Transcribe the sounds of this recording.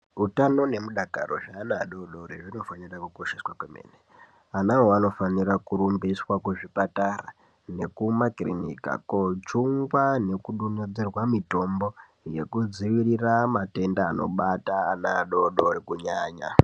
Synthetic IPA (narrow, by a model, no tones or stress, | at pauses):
utano̞ne̞muɗaka̰ro̞̰ʐaːnaɗoɗoɾeʐiino̞fanirakuko̞ʃeswakwemḛːne | anaɦoano̞fanirakuɾumbiswakuʐipatara̰ | ne̞kumakrḭnḭka̰kot͡ʃuŋɡwane̞kuɗuned͡zerwamito̞mbo̞ | je̞̰kud͡ziʋiriramate̞ndaːno̞̰ɓataːna̰ɗoɗoɾikuɲaːɲa̰